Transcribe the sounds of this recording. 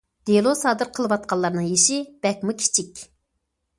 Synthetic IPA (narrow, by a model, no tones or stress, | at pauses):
d̪̥elˠosɑːd̪ɨɾqʰəlˠɨwɑt̪̚qʰɑlˠːɑɾnɨŋjeʃɪb̥ɛk̚ʲmukʲʰi̥t͡ʃʰikʲ